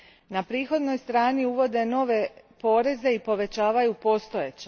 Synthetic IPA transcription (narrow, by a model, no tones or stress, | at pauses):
napɾiːxo̞d̪no̞jst̪ɾaːniuʋo̞d̪e̞no̞ʋe̞po̞ːɾe̞ze̞ipo̞ʋe̞t͡ɕaːʋajupo̞ːst̪o̞jet͡ɕe